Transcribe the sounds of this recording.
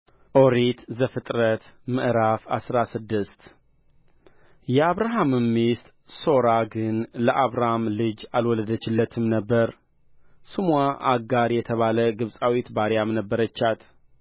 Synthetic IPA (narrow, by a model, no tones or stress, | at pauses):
ʔoɾit̪zəfɨt̪ʼɾət̪mɨʔɾafa̰sɾasɨd̪ːɨst̪ | jɛaβɾaɦamɨmːist̪ | so̞ɾaɡɨnləʔaβɾahamlɨd͡ʒalwɔləd̪ət͡ʃːɪlːət̪ʰɨmnəbːəɾ | sɨmwaʔaɡaɾjɛt̪ʰəβaləɡɨβsʼawit̪baɾjamnəbːəɾət͡ʃːat̪